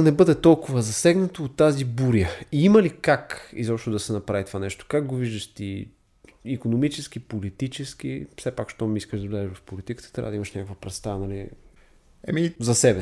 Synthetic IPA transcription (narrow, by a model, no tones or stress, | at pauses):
ɐnɛbɤd̪ɛt̪ɔlˠkʊvəzɐsɛɡnɐt̪oːt̪ːazibuɾiəiiməlikakḭzɔpʃt̪od̪ɐsɛnɐpɾavit̪ovanɛʃt̪o̥kaɡɡoviʒd̪əʃt̪i | ikonomit͡ʃɛsk̟ipolit̪it͡ʃɛsk̟ḭfsɛpakʃt̪ɔmiiskəʒd̪ɐvlʲɛʒɛvɐfpolit̪ikə̥t̪ə̥t̪ɾʲa̰vəd̪iməʃnʲakəkvəpɾɛst̪anɐli | ɛ̰mizɐsɛbɛ